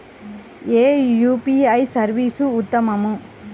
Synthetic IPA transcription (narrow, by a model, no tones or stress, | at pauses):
eːjuːpiɐjsɐɾʋiːsuʊt̪ːɐmɐmɯ